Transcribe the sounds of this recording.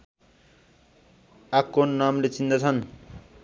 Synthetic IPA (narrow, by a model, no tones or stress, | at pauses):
akːonːamlet͡sind̪ʌt͡sʰʌn